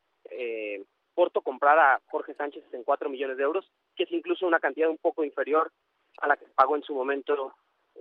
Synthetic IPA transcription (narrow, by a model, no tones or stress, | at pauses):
e | po̞ɾt̪o̞ko̞mpɾaɾaxo̞ɾxe̞sant͡ʃe̞seŋkwat̪ɾo̞miʝo̞ne̞zðeewɾo̞s | kee̞siŋkluso̞unakant̪iðaðumpo̞ko̞iɱfe̞ɾjo̞ɾ | a̰lakepaɣo̞ensumomẽnt̪o